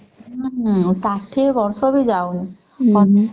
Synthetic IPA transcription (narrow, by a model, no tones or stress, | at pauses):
t̪atʰebɔɹsɔbizaw | ɔ